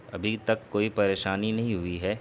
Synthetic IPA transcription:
ɐ̰bʱit̪ɐkːoːipɐɾeːʃaːninɐɦĩɦʊiɦɛː

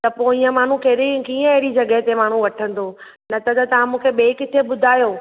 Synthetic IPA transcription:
t̪ɐpoːiːə̃maːɳ̤ũkeɾikiːə̃eɦɾid͡ʑɐɠəɦt̪emaːɳ̤ũʋɐʈʰə̃n̆d̪oː | nɐt̪ɐt̪ɐt̪ɐʋãmũːkʰeɓeːkɪt̪ʰeɓʊd̪ʱaːjoː

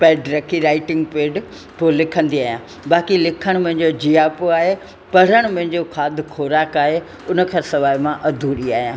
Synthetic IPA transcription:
pɛːɖɾɐkʰiɾaːɪʈɪ̃ŋɡ̚peːɖ | poːlɪkʰə̃nd̪iaːɦijãː | baːkilɪkʰəɽ̃mʊ̃ɦɪ̃ɲd͡ʑod͡ʑiːaːpoaːɦe | pɐɾəɽ̃mʊ̃ɦɪ̃ɲd͡ʑokʰaːd̪ʱɪkʰoːɾaːkaːɦe | ʊnə̆kʰãːsɐʋaːɪmãʔɐd̪ʱuːɗiaːɦijãː

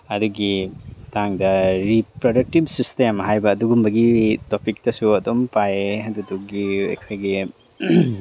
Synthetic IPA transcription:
ɐduɡitaŋdɐɾipɾodɐk̚tib̚sistemɦajbɐːduɡumbɐɡitopik̚tɐsuɐdompajeɐduduɡiɐ̰kʰojɡi

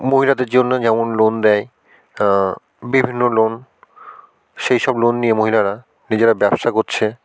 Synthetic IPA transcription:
moɦilad̪eɾd͡ʑonːod͡ʑɛmonlond̪ɛj | bibʱinːolon | ʃejʃɔblonːijemoɦilaɾa | nid͡ʑeɾabɛbʃakoɾt͡ɕʰe

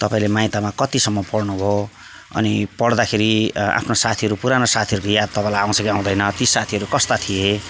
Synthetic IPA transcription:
t̪ʌpaĩlemaj̃t̪amakʌt̪isʌmːʌpʌɽnubʱo | ʌ̰nipʌɽd̪akʰeɾia̰pʰnosat̪ʰiɦʌɾupuɾanosat̪ʰiʌɾukojad̪̚t̪ʌpãĩlajãw̃sʰʌkiãw̃d̪ʌjnʌt̪isat̪ʰiʌɾukʌst̪at̪ʰie

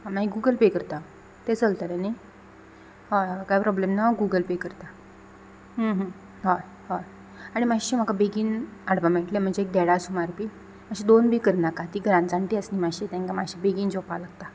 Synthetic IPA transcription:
ɦãmaiɡuɡəlpekəɾt̪a | t̪et͡səlt̪aɾenaj | ɦakajpɾɔblemnaɡuɡəlpekəɾt̪a | ɦə̃ɦə̃ | ɦa | ɦa | aɽ̃imaɕim̤əkabeɡiːnaɽbameʈlem̤əɳd͡zeːk̚d̪ɛɽasumaɾpiː | maɕid̪onbʱiːkəɾnakat̪iːɡɾãnd͡zaɳʈiəsnimaɕit̪ãŋkamaɕibeɡiːnd͡zɔpalaɡt̪a

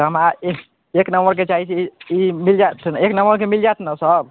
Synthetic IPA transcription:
ɦəma | eknəmbəɾket͡ʃaɦit͡ʃʰiimild͡ʒat̪ʰneknəmbəɾkemild͡ʒat̪ʰnasəb

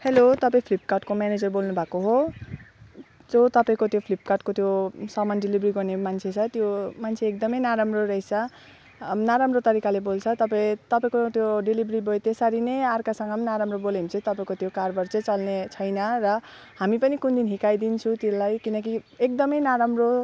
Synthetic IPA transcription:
helot̪ʌpaĩpʰlip̚kaʈkomjaned͡zʌrbolnubʱakoɦo | d͡zot̪ʌpaĩkot̪jopʰlip̚kaʈkot̪josʌmanɖilibriɡʌrnemant͡sʰet͡sʰʌt̪jomant͡sʰeːk̚d̪ʌmʌjnaɾamroɾʌɦit͡sʰʌ | naɾamrot̪ʌɾikalebolt͡sʰʌt̪ʌpaĩt̪ʌpaĩkot̪joɖilibribʱojt̪esaɾinejarkasʌŋɡʌmnaɾamrobolemt͡sʰʌ̃t̪ʌpaĩkot̪jokarbʌrt͡set͡sʌlnet͡sʰʌjnʌrʌ | hamipʌnikund̪inɦikajd̪int͡sʰũt̪elajkinʌkiek̚d̪ʌmʌjnaɾamro

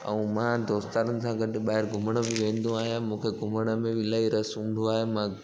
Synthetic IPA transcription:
ɛ̰̃ũmãd̪oːst̪aːɾənɪ̆sãːɡʱɐɗɪɓaːɦɪɾɡʱʊməɽ̃ə̆bɪʋẽːn̆d̪ũaːɦijãmũːkʰeɡʱʊməɽ̃ə̆mẽʋɪlaːiɾɐsɦũːnd̪uaːɦemã

